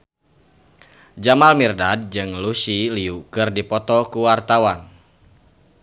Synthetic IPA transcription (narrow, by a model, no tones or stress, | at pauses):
d͡ʒamalmirdad̚d͡ʒɨŋlusiliukɨrdipɔt̪ɔkuwart̪awan